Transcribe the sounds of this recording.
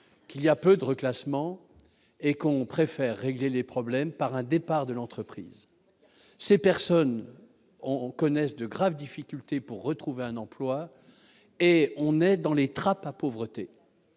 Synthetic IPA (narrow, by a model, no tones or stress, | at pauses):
kiliapød̪əʁəklasmɑ̃ | ekɔ̃pχefɛʁːeɡlelepχɔblɛmpaʁɛ̃d̪epaʁd̪əlɑ̃t̪χəpχḭːz | sepɛʁsɔn | ɔ̃kɔnɛsd̪əɡʁavd̪ifikʲylt̪epuʁːət̪χuveɛ̃nɑ̃plwa | eɔ̃nɛd̪ɑ̃let̪χapapovʁət̪e